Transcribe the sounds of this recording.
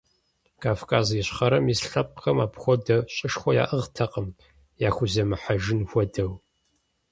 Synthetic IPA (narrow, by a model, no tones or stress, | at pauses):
kʰaːfkʰaːzjɪɕχɐɾɐmisɬɐp̚ʼqɐmaːpxʷɔdɐɕʼɪʂxʷɔja̰ːʔɨʁtʰɐqəm | jaːxʷʊzɐmɨħaʒɪnxʷɔdɐw